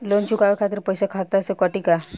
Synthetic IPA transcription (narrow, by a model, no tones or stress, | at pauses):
lont͡ʃukaʋekʰat̪əɾpəjsakʰat̪asekəʈika